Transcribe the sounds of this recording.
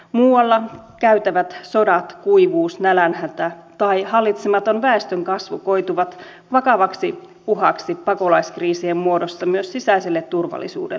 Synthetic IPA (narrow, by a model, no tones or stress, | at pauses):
muːɑlːɑkæyt̪æʋæt̪so̞dɑt̪kuiʋuːsnælænhæt̪æt̪ɑihɑlːit̪semɑt̪onʋæest̪øŋkɑsʋuko̞jt̪uʋɑt̪ | ʋɑkɑʋɑksi | puɦɑksipɑko̞lɑiskriːsiemmuo̞dost̪ɑmyøssisæiselːet̪ːurʋɑ̰lːˑḭsṵːdḛ